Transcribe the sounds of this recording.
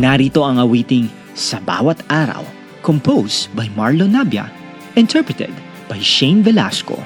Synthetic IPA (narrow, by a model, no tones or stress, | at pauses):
naɾiːt̪o̞ɐŋɐwiːt̪ɪŋ | sɐba̰ːwɐt̪ʔaːɾɐ̰w | kompowsbɐjmaɹlonabjɐ̰ | ʔɪ̃nt̪ʰɛɹpɹɛt̪ɛ̰d̪̚ | b̥ɐjʃẽjnvɛla̰sko̰